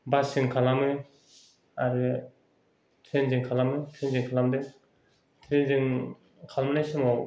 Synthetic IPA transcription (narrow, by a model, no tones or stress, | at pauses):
basiŋkʰalamɯ | aɾɯ | t̪ʰɾend͡ʒɯŋkʰalamɯt̪ʰɾend͡ʒɯŋkʰalamd̪ɯŋ | t̪ʰɾend͡ʒɯŋ | kʰalmɯnajsɯmɔ